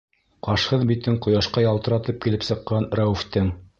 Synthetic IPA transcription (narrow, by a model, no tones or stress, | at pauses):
qɑʃhɤðbit̪ɘŋqŏjɑʃqɑjɑlˠt̪ɤ̆ɾɑt̪ɤp̚kilɘpsɤ̆qːɑnɾæwɘ̆ft̪ɘŋ